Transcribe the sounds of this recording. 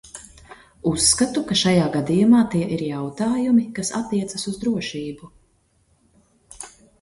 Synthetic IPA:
usːkat̪ukaʃajaːɡad̪ijumaːt̪iɛʔiɾjawt̪aːjumikasa̰t̪ːiɛt̪sasuzd̪ɾuɔʃiːbu

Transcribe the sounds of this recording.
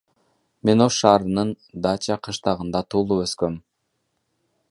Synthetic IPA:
me̞noʃʃɑːɾɯnɯn | d̪ɑːt͡ʃɑqʰɯʃt̪ɑʁɯnd̪ɑt̪ʰuːlˠuøskøm

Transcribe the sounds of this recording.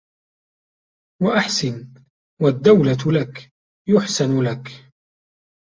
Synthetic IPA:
waʔaħsɪn | wad̪ːawlalak | jʊħsɪnʊlak

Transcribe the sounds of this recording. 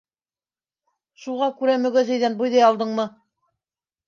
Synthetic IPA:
ʃuʁɑkʉɾæmɵ̆ɡæzæjðænbujðɑjɑlˠd̪ɤɴmɤ

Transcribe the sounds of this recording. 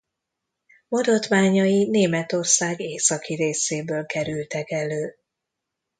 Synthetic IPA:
mod̪ot̪ʋaːɲɒjineːmɛt̪o̞rsaːɡeːsɒkiɾeːseːbøːlkɛɾylt̪ɛkɛløː

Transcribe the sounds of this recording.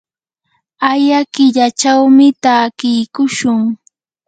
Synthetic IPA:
ajakɪʎat͡ʃawmɪt̪aːkɪjkʊʃʊŋ

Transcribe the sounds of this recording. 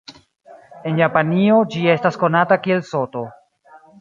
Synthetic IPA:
e̞njapanio̞d͡ʒie̞stasko̞natakie̞lso̞to̞

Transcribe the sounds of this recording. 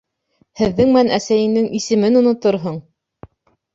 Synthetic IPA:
hɘ̆ðːɘŋmænʔæsæjɘ̆nd̪ɘŋʔisɘ̆mɘnŏnŏt̪oɾɦɤɴ

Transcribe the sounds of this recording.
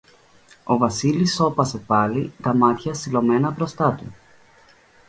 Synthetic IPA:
o̞vɐsiliso̞pɐse̞pɐlit̪ɐmɐt̪çɐsilo̞me̞nɐbɾo̞st̪ɐt̪u

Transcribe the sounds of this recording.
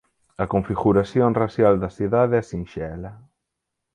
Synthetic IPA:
ɐkoɱfiɣuɾasjonrasjald̪ɐsiðaðesinʃɛlɐ

